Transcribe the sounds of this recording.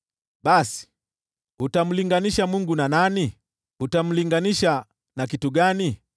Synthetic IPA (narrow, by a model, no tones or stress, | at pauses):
ɓasi̥ | hutam̩liŋɡaniʃamuŋɡunanani | hutam̩liŋɡaniʃa | nakituɡani